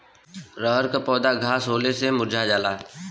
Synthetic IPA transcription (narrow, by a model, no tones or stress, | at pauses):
ɾəɦəɾkapɔːd̪aɡʱaːsɦoːlesemʊd͡ʒʱad͡ʒaːlaː